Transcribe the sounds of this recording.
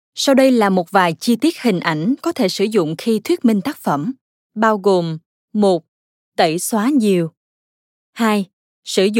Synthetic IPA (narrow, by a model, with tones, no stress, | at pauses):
sa˧wɗə˧jlaː˨˩mo˨˩t̚vaː˨˩jt͡ɕi˧t̪i˦˥ət̚hï˨˩ŋ̟ʔa˧˩jŋ̟kɔ˨˦t̪ʰe˧˩sɨ˧˩zʊ̰˧˨ŋ͡mxi˧t̪ʰwi˦˥ət̚mï˧ŋt̪aː˦˥k̚fə˧˩m | ɓaː˧wɣo˨˩m | mo˨˩t̚ | t̪ə˧˩jswaː˨˦ɲi˨˩əw | haː˧j | sɨ˧˩z